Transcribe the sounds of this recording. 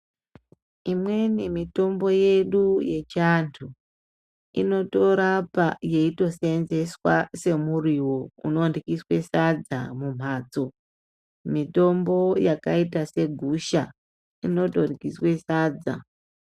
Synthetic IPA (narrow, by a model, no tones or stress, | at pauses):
imwe̞nimito̞mbo̞je̞ɗuje̞t͡ʃantʰu | ḭno̞to̞ɾapaje̞ito̞senze̞swase̞muriwo̞ṵno̞ːndikiswe̞sad͡zamum̤aːt͡so̞ | mito̞mbo̞jakaitase̞ɡʱuʃa | ino̞to̞rikiswe̞saːd͡za̰